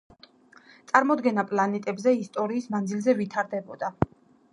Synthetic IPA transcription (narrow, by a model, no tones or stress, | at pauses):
t̪sʼaɾmɔd̪ɡɛnapʼlˠanɛt̪ʼɛbzɛist̪ʼɔɾiːsmand̪zilzɛvit̪ʰaɾd̪ɛbɔd̪a